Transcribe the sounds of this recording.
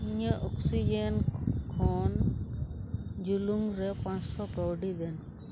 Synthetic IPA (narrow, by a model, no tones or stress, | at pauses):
iɲaʔoksid͡ʒenkʰɔn | d͡ʒuluŋɾɛpãt͡ʃsɔkɔwɖid̪ɛn